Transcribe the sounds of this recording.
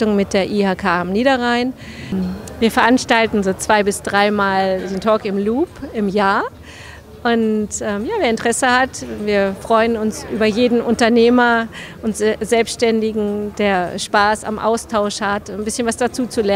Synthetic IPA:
tʊŋmɪt̚d̥eːɐʔiːhaːkʰaːɪmniːɾɐʁaɪn | viːɐfɛɐʔanʃtaltn̩zoːt͡sv̥aɪbɪsd̥ʁaɪmaːlzoːntʰɔːkɪmluːpɪmjaːɐ | ʔʊntʔɛːmjaːveːɐɪntəʁ̥ɛsəhatviːɐfʁ̥ɔʏənʊnsʔyːbɐjeːdn̩ʔʊntɐneːmɐʔʊntzɛlpstʃtɛndɪɡŋ̩d̥eːɐʃpaːsa̰mʔa̰ʊstʰaʊʃhatnbɪsçənvasd̥at͡suːt͡sulɛ

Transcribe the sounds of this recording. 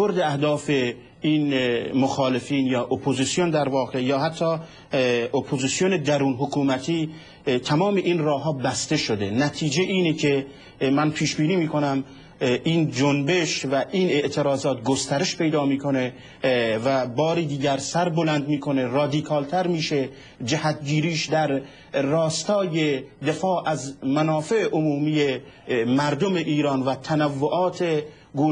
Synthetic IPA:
oɾd̪eæhd̪ɒːfe | iːnmoxɒːle̞fiːnjɒːʔopʰozisijond̪æɾvɒːɣejɒːɦæt̪ʰːɒː | opʰoziːsijone̞d̪æɾuːnɦokʰuːmæt̪ʰiː | t̪ʰæmɒːmeʔiːnrɒːɦɒːbæst̪e̞ʃod̪e̞næt̪ʰiːd͡ʒeʔiːnecʰe̞ | mænpʰiːʃbiːniːmiːkʰo̞næm | ʔiːnd͡ʒonbe̞ʃvæʔiːne̞ʔt̪ʰe̞ɾɒːzɒːt̪ɡost̪æɾe̞ʃpʰe̞jd̪ɒːmiːkʰo̞ne̞ | væbɒːɾid̪iːɟæɾsæɾbolænd̪miːkʰo̞nerɒːd̪iːkʰɒːlt̪ʰæɾmiːʃe̞ | d͡ʒæhæt̪ɟiːɾiːʃd̪æɾː | ɒːst̪ɒːjed̪e̞fɒːʔæzmænɒːfe̞ʔeʔomuːmije | mæɾd̪ome̞ʔiːɾɒːnvæt̪ʰænævːoʔɒːt̪ʰe | ɡuː

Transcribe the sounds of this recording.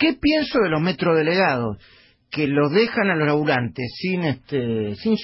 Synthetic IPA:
kepjensoðelo̞ɦmet̪ɾo̞ð̞eleɣaðos | keloðexanalosaβulant̪essineht̪esinʃ

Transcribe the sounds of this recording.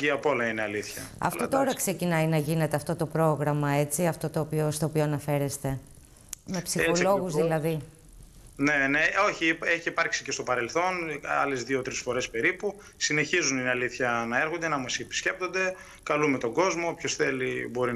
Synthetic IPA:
iɐpo̞lɐineɐliθçɐ̰ɐ̰fot̪o̞ɾɐkse̞cinɐjnɐʝine̞t̪e̞ɐft̪o̞t̪o̞pɾo̞ɣɾɐmɐet͡siɐft̪o̞t̪oːpiost̪oːpioɐnɐfe̞ɾe̞st̪e̞ | me̞psixo̞lo̞ɣuzðilɐði | ne̞neo̞çieçipɐɾksicest̪opɐɾelθo̞nɐ̰le̞zðiot̪ɾisfo̞ɾe̞spe̞ɾipu | sine̞çizuninɐliθçɐnɐeɾxond̪e̞nɐmɐsipi̥sce̞p̚t̪o̞nd̪e̞ | kɐlume̞t̪o̞ŋɡo̞zmopçosθe̞libo̞ɾi

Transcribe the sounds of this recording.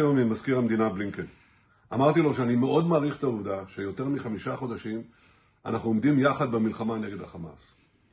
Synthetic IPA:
jomimazkiʁamd̪inabliŋken | amaʁt̪ilo̞ʃeanimeʔo̞d̪maːʁiχt̪auvdaʃejo̞t̪e̞ʁmiχamiʃaχo̞daʃim | ʔa̰naχnuomd̪imjaχad̪̚bemilχamaneɡedhaχama̰s

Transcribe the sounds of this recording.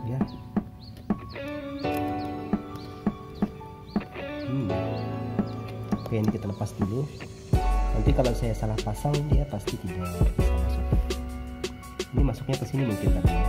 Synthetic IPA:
ja | kajanikit̪aləpast̪ilu | nənt̪ikalawsajasalahpasaŋdiapast̪it̪idapasaŋmasuk̚a | inimasʊkɲakəsinimuŋkint̪aa

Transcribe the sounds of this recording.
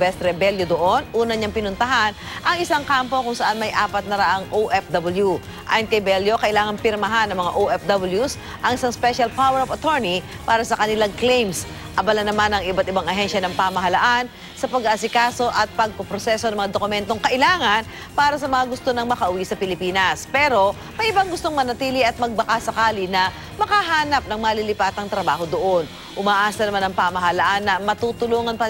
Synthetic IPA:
bɛst̪ɾɛbɛljod̪oʔo̞nʔuːnɐɲaŋpɪnʊnt̪ɐɦanʔɐŋɪsaŋkaːmpo̞kʊŋsɐʔanmɐjʔaːpɐt̪̚nɐɾaʔaŋʔoʔɛfd̪ɐbɐlju | ʔa̰ːjɐnkɐjbɛljo̞kɐʔɪlaːŋɐnpɪɾmɐɦanːɐŋmɐŋa̰ʔoʔɛfd̪ɐbɪljus | ʔɐŋɪsaŋspɛʃɐlpawɛɾɐvɐt̪ɔɹni | paːɾɐsɐkɐnɪlaŋklejms | ʔɐbɐlanɐmanɐŋɪbat̪ɪbaŋɐɦɛnʃjɐnɐŋpaːmɐɦɐlaʔan | sɐpɐɡaɐsɪkaːso̞ʔɐt̪̚pɐɡ̚popɾosɛsonɐŋmɐŋad̪okʊmɛnt̪o̞ŋkɐʔɪlaːŋɐn | paːɾɐsɐmɐŋaɡʊst̪onɐŋmɐkɐʔʊwisɐpɪlɪpiːnɐspɛːɾo̞ | mɐjʔɪbaŋɡʊst̪oŋmɐnɐt̪iːlɪʔɐt̪̚mɐɡ̚bɐkasɐkaːlɪnɐ | mɐkaɦaːnɐp̚nɐŋmaːlilɪpaːt̪ɐŋt̪ɾɐbaːɦo̞d̪oʔon | ʔʊmaːʔaːsɐnɐmanɐŋpaːmɐɦɐlaʔanːɐmɐt̪ut̪ʊluːŋɐnpɐ

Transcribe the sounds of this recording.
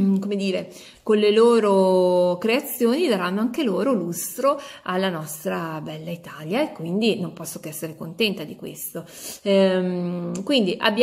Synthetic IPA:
komed̪iːɾe | konleloːɾokɾeat̪sːjoːnid̪aɾanːoaŋkeloːɾolust̪ɾoalːanɔst̪ɾabɛlːait̪aːljaekːwind̪inompɔsːokeɛsːeɾekont̪ɛnt̪ad̪ikwḛst̪o | mkwind̪iʔa̰bːj

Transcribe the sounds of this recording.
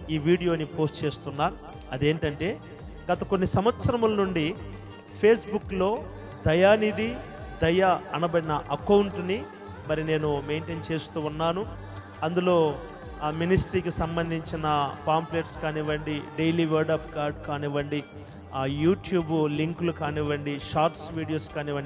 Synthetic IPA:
iːʋiːɽijo̞ːnipʰo̞ːsʈt͡ʃe̞ːst̪unːaːɾu | ɐd̪e̞ːɳʈɐɳʈe̞ː | ɡɐt̪ɐkonːisɐmʋɐt̪sɐɾɐmulɐnuɳɖi | pʰe̞ːsbukːlo̞ː | d̪ɐjaːnid̪i | d̪ɐjɐɐnɐbɐɽinɐʔɐkɐwuɳʈni | mɐɾine̞ːnume̞ːɳʈeːnt͡ʃe̞ːst̪uːunːaːnu | ɐnd̪ulo̞ː | minisʈɐɾiːkisɐmbɐnd̪ʱiɲt͡ʃinɐpaːmpleːʈskaːniʋɐɳɖiɖejliːʋɐɾɖaːpʰkaːɾɖkaːniʋɐɳɖi | juːʈjuːbliŋklukaːniʋɐɳɖiʃaːɾʈsʋiːɽijoːskaːniʋɐɳɖ

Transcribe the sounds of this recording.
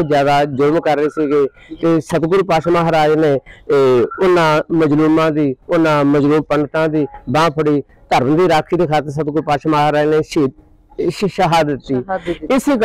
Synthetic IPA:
d͡ʒjaːd̪aːd͡ʒʊɾmkəɾːeːsiːɡeː | t̪eːsət̪ɡʊɾpaːʃmaɦaɾaːd͡ʒneː | ʊnãːməd͡ʒluːmãːd̪iːʊnãːməd͡ʒluːmpənt̪ãːd̪iːbãːpʰəɽiː | t̪əɾməd̪iːɾaːkʰiːd̪eːkʰaːt̪əɾs̬ət̪ɡʊɾpaːʃmaːɦaːɾaːd͡ʒneːʃi | ʃʃəɦaːd̪ɪt̪ːiːɪsik

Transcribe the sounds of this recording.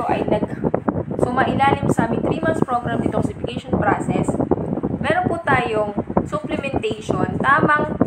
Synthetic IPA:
oʔɐ̰jnɐɡ̚ | sʊmaːʔɪlaːlɪmsɐʔamɪŋt̪ɾiːmɐnspɹoɡɾamnɪt̪oŋsɪfɪkɛʃonpɾasɛsmɛːɾonput̪aːjoŋsʊplɛmɛnt̪ɛjʃont̪aːmɐŋ

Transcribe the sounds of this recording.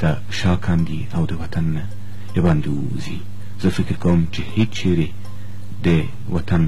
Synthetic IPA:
t̪a | ʃɑkʰɑnd̪i | awd̪əwat̪anːa | ebɑnd̪ew | zi | z̥əfɪkɪɾkawəmt͡ʃehet͡ʃt͡ʃʰeɾe | d̪ə | wʔat̪an

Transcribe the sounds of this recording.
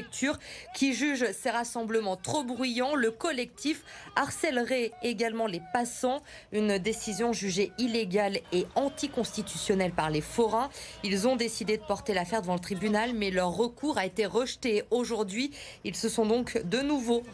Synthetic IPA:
k̚t̪ʰyʁkʲʰiʒyʒseʁasɑ̃bləmɑ̃t̪χobʁyjɑ̃ləkɔlɛk̚t̪ifaʁsɛlʁɛeɡalmɑ̃lepasɑ̃ | ynd̪esizjɔ̃ʒyʒeileɡaleɑ̃t̪ikɔ̃st̪it̪ysjɔnɛlpaʁlefɔʁãilzɔ̃d̪esid̪ed̪əpɔʁt̪elafɛʁd̪əvɑ̃lət̪χibynalmɛlœʁːəkʰuʁaet̪eʁəʃt̪eoʒuʁd̪ɥi | ilsəsɔ̃d̪ɔ̃kd̪ənuvo

